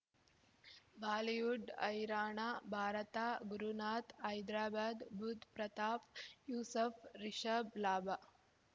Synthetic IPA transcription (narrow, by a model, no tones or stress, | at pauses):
bʱaːlijuɖɐ̰jɾaːɳaːbʱaːɾɐt̪aːɡuɾunaːt̪ɐjd̪ɾaːbaːd̪bʱud̪pɾɐt̪aːfjuːsɐfɾiʃɐblaːba